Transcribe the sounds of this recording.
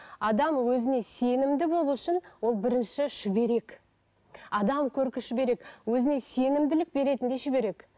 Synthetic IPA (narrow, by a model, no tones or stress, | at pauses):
ɑd̪ɑmwɵzɪne̞se̞nɪmd̪ɪbo̞lˠuʏʃɪnwo̞lˠbɪɾɪnʃɪʃʏbe̞ɾe̞k | ɑd̪ɑmkʲʰɵɾkʲɪʃɪbe̞ɾe̞kwɵzɪne̞se̞nɪmd̪ɪlɪk̚be̞ɾe̞t̪ɪnd̪e̞ʃʏbe̞ɾe̞k